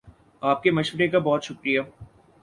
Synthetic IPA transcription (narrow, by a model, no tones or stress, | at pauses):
aːp̚kemɐʃʋəɾekabɔːt̪ʃʊkɾijaː